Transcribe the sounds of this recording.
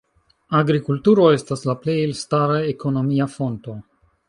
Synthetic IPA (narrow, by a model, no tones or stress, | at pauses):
aɡɾikultuɾo̞estaslaplejlstaɾaeko̞no̞miafonto̞